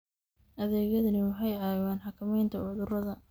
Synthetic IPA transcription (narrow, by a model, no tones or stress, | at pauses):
ʔɐðɛːɣɐðɐnɪʊɦɛjaːwaːnħɑkʰɐmɛjnt̪ʰɐʕʊðʊrɐðɐ